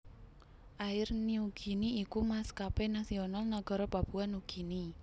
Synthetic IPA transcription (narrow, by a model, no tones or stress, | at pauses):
ʔaɪrniuɡ̥i̤niːkumaskapenasionalnaɡ̥ɔɾɔbab̥ṳanuɡ̥i̤ni